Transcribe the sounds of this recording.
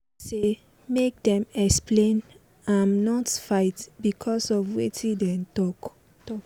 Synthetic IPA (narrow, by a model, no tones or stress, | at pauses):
se | mek̚dɛ̃mɛksplẽn | ãmnɔtfaɪtbikʰɔsɔvwetʰĩdɛntɔk | tɔ